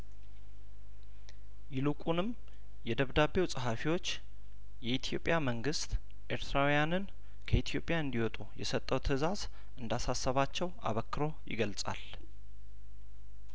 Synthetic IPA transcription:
jɪlukʼunɨm | jɛd̪əβd̪aβe̞wsʼəɦafiwo̞t͡ʃː | jɛit̪ʰjo̞pʼjaməŋɡɨst̪ | ʔe̞ɾt̪ʰɾawujanɨn | kʰəit̪ʰijo̞pʼjaɨnd̪iwɔt̪ʼujɛsət̪ʼːəwt̪ʰɨzaz | ʔɨnd̪asasːəβat͡ʃːɛwʔa̰βəkːɾo̞jɪ̰ɡəlsʼa̰l

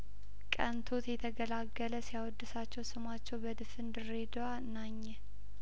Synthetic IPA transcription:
kʼənt̪ʰot̪jɛt̪ʰəɡəlaɡːələsijawɔd̪ːɨsat͡ʃːɛwsɨmat͡ʃːɛwbəd̪ɨfɨnd̪ɨred̪owa | naɲːɛ

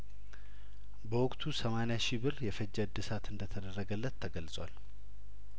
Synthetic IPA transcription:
bəwʊkʼt̪ʰusəmanjaʃɪbɨɾjɛfəd͡ʒːəd̪ɨsat̪ɨnd̪ət̪ʰəd̪ərːəɡəlːət̪ʰːəɡəlsʼwal

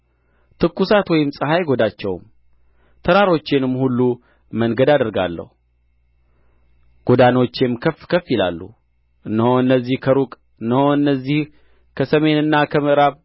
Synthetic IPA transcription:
t̪ʰɨkːusat̪wɔjɪmsʼɨɦajɡo̞d̪at͡ʃːɛwm | t̪ʰəɾaɾo̞t͡ʃːenɨmːhulːu | məŋɡəd̪ad̪əɾɡa̰lːə̰hu | ɡ̥o̞d̪ano̞t͡ʃːemkʰəfkʰəfːjɪla̰lːṵ | ʔɨnːəhoɨnːəzːihkʰəɾukʼ | ɨnːəhoɨnːəzːih | kʰəsəme̞nɨnːakʰəməʔɾaβ

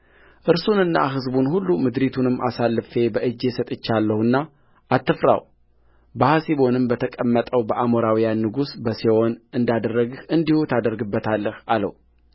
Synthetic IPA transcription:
ʔɨɾsunɨnːa̰ɦɨzbunhulːumɨd̪ɾit̪ʰunɨmːasalːɨfe̞bəʔɨd͡ʒːe̞sət̪ʼɨt͡ʃːalːəhɨnːa | at̪ːɨfɾa̰w | bəhasiβo̞nɨmbət̪ʰəkʼəmːət̪ʼəwbəʔamoɾawijanːɨɡusbəsewo̞nɨnd̪ad̪ərːəɡhɨnd̪ihut̪ʰad̪əɾɡɨbːət̪ʰalːəhalə̰hu

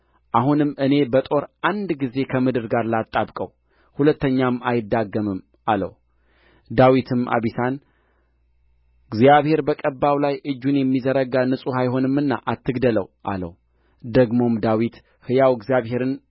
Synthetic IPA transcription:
ʔaɦunɨmːʔɨne̞bət̪ʼo̞ɾʔand̪ɡize̞kʰəmɨd̪ɨɾɡaɾlat̪ʼːabkʼə̰w | hulət̪ːəɲːamːajɪd̪ːaɡːəmɨm | ʔalə̰w | d̪awit̪ʰɨmʔa̰βisan | ɡzjaβhe̞ɾbəkʼəbːawlajʔɨd͡ʒːunjɛmːizəɾəɡanɨsʼuhajɦo̞nɨmːɨnːa̰ʔat̪ʰːɨɡd̪ələwʔa̰lə̰w | d̪əɡmo̞md̪awit̪ | hɨjawɡzijaβhe̞ɾɨn

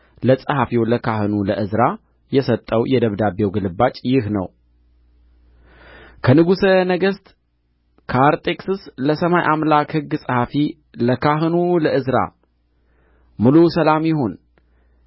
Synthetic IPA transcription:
ləsʼəhafiwləkʰahɨnuləʔɨzɾa | jɛsət̪ʼːəwjɛd̪əβd̪abewɡɨlɨbat͡ʃʼjɪhnə̰w | kʰənɨɡusənəɡəst̪ | kʰəaɾt̪ʼekʼsɨsləsəmajʔamlakhɨɡːsʼəhafi | ləkʰaɦɨnuləʔɨzɾa̰ | mɨlusəlamjɪɦo̞n

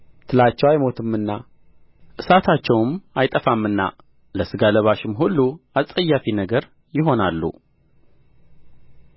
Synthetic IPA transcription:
t̪ʰɨlat͡ʃːɛwajmo̞t̪ʰɨmːɨnːa | ʔɨsat̪ʰat͡ʃːɛwmajt̪ʼəfamːɨnːa̰ | ləsɨɡaləβaʃɪmɦulːuasʼəjːafinəɡəɾ | jɪɦo̞nalːṵ

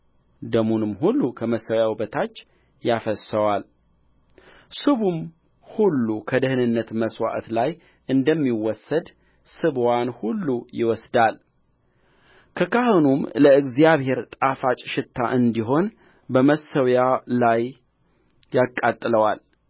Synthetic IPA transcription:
d̪əmunɨmhulːukʰəməsːəwjawbət̪ʰat͡ʃː | jafəsəwal | sɨβum | hulːukʰəd̪ɨhɨnɨnːət̪məswa̰ʔt̪laj | ʔɨnd̪əmːiwɔsːəd̪ | sɨβwanhulːujɪwɔsd̪al | kʰəkʰahɨnumləɨɡzijaβhe̞ɾt̪ʼafat͡ʃʼʃɪt̪ʰːaʔɨnd̪iɦo̞n | bəməsəwjalajː | akʼːat̪ʼːɨləwal

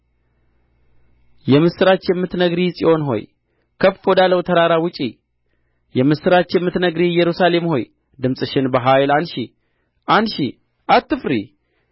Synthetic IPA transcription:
jɛmɨsɨɾat͡ʃjɛmːɨt̪nəɡɾisʼiʔo̞nɦo̞̰j | kʰəffo̞d̪aləwt̪ʰəɾaɾawʊt͡ʃʼḭ | jɛmɨsɨɾat͡ʃjɛmːɨt̪nəɡɾijɛɾusale̞mho̞j | d̪ɨmsʼɨʃɪnbəɦajlanʃi | ʔanʃḭ | ʔat̪ːɨfɾḭ

